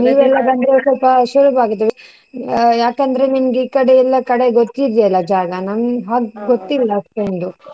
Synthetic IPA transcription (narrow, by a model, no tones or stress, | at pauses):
niːʋɛlːɐbɐnd̪ɾesɔlpɐʃuɾuʋaːɡit̪̬ːeʋi | jaːkɐnd̪ɐɾeninɡiːkɐɽeɛlːɐkɐɽeɡot̪ːid̪ijɐlːɐd͡ʒaːɡɐnɐnɦaːɡɡot̪ːilːɐːspenɖ̪u